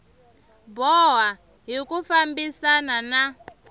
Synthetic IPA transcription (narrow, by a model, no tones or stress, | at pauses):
bɔɦwa | ɦikufambisanana